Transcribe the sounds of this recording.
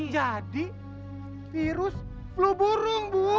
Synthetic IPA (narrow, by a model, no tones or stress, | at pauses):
d͡ʒadi | fiɾʊs | ploboɾʊŋbu